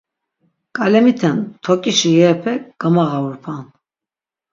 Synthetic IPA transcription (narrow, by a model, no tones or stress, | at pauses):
kʼalɛmit̪ʰɛnt̪ʰɔkʼiʃijɛɾpʰɛɡ̥əmaʁauɾpʰan